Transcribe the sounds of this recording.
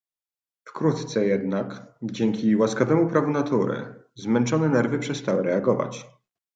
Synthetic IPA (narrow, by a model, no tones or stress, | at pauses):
fkɾut̪t̪sɛjɛd̪nakd͡ʑeŋkʲiwaskavɛmupɾavunat̪uɾɘ̰zmɛnt͡ʂɔnɛnɛɾvɘpʂɛst̪awɘɾɛaɡɔva̰t͡ɕ